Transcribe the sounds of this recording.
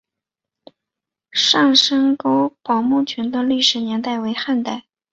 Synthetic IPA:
ʂɑ˥˩ŋʂə˥ŋko˥ʊpɑ˨˩ʊmu˥˩t͡ɕʰɛ˧˥nd̪ə˧li˥˩ʂɻ̩˨˩njɛ˧˥nt̪a˥˩ɪwe˧˥ɪxa˥˧nt̪a˥˩ɪ

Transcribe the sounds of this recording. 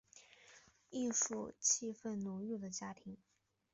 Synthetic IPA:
i˥˧ʂu˥˧t͡ɕʰi˥fə˥˩nnu˨˧˥y˥˩d̪ə˩t͡ɕja˥t̪ʰi˧˥ŋ

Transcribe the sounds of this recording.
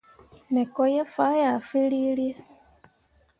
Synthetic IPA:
ne˨ko˦je˦fa˦ja˨fi˦li˦lje˦

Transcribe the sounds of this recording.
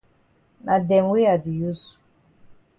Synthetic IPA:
na˨dɛ˨mwi˦a˨di˨ju˦su̥˨

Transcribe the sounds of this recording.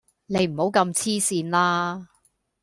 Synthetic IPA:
ne˨˧jm̩˨˩ho˨˥wkɐ˧mt͡sʰiː˥siː˧nlaː˥

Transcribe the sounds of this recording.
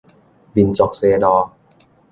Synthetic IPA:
bi˧nt͡ɕo˨˩k̚seː˧dɔː˧

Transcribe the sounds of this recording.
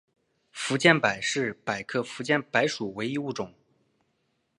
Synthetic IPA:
fu˧˥t͡ɕjɛ˥˩npa˨˩ɪʂɻ̩˥˩pa˨˩ɪkʰɤ˥˩fu˧˥t͡ɕjɛ˥˩npa˧˥ɪʂu˨˩we˧˥ɪi˧˥˧u˥˩ʈ͡ʂʊ˨˩˦ŋ

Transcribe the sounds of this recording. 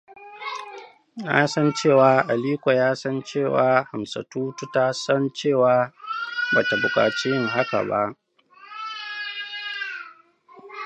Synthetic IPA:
jaː˦sɐ˦nt͡ʃeː˦˨waː˨ʔa˨liː˦kʷa˨jaː˦sɐ˦nt͡ʃeː˦˨waː˨ha˨msɐ̰˨tuː˦tu˦ta˦sɐ˦nt͡ʃeː˦˨waː˨˦baː˨ta˨bʊ˨kʼa̰ː˨t͡ʃi˦jɪ˦˨ŋɦa˦ka̰˨ba̰˦ʔ

